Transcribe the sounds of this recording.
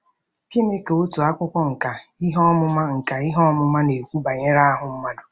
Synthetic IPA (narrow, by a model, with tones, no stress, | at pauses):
ki˦ne˦ke˨o˦tu˨a˦kʷʊ˦kʷɔ˦ŋ̩˨ka˨i˦ɦɔ˦mʊ˦ma˦ŋ̩˨ka˨i˦ɦɔ˦mʊ˦ma˦ne˨kʷu˦ba˨ɲe˦ɾa˦a˦ɦʊ˨m̩˦ma˦dʊ˨